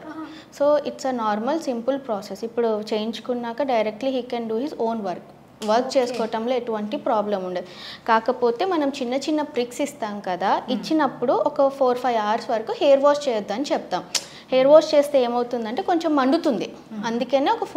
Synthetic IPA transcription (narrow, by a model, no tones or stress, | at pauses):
so̞ːiʈsenaːɾmɐlsimpulpɾaːsesipːuɽut͡ʃejiɲt͡ʃu̥kunːaːkɐɖɐjɾek̚ʈliɦiːkɛ̃nɖuɦizoːnʋɐɾk | ʋɐɾkt͡ʃeːsu̥kɔːɐʈɐmloːeʈuʋɐɳʈipɾaːblɐmuɳɖedikaːkɐpoːt̪e̞ːmɐnɐmt͡ʃinːɐt͡ʃinːɐpɾiksist̪aːmkɐd̪aːit͡ʃːinɐpːuɽuɔkɐpʰoːɾpʰɐjʋaːɾsʋɐɾɐkuhejɐɾʋoːst͡ʃeːjɐd̪ːɐnit͡ʃɛp̚t̪aːm | hejːɐɾʋoːst͡ʃe̞ːst̪eeːmɐwt̪und̪ɐɳʈe̞ːko̞ɲt͡ʃemɐɳɖut̪und̪i | ɐnd̪ukeneːɔkɐ